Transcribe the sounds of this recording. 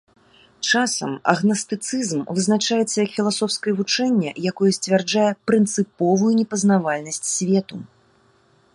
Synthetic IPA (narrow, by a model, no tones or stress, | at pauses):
t͡ʂasɐ̰mɐ̰ɣnɐst̪ɨt̪sɨzmvɨznat͡ʂajɛt̪sːɐjɐkfʲilˠasɔfskɐjɛvut͡ʂɛnʲːɛ̰jakɔjɛsʲt͡sʲvʲɛrd͡ʐajɛpɾɨnt̪sɨpɔvujunʲɛpɐznavalʲnɐsʲt͡sʲsʲvʲɛt̪u